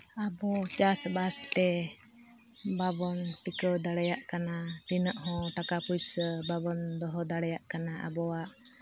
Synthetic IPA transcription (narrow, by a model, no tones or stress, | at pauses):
abɔt͡ʃasbast̪ɛ | babɔnt̪ikəwd̪aɽɛjaʔkanat̪inəʔɦɔ̃ʈ̪akapujsəbabɔnd̪ɔɦɔd̪aɽɛjaʔkanaʔa̰bɔwaʔ